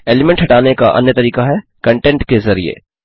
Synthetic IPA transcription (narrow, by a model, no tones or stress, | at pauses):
eːlɪmɛ̃ɳʈɦɐʈaːnekaʔɐ̰njət̪ɐɾiːkaɦɛkɐ̃ɳʈɛ̃ɳʈkezɐɾḭḛː